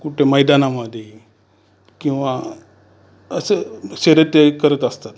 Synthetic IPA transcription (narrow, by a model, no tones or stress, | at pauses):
kuʈʰeməjd̪anaməd̪ʱje | kĩw̃ʋa | əsəɕeɾət̪jəkəɾət̪əst̪at̪